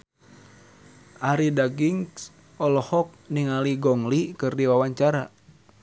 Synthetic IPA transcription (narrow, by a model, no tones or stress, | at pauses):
ʔaɾidaɡiŋs | ɔlɔhɔk̚niŋaliɡɔŋlikɨrdiwawaɲt͡ʃaɾa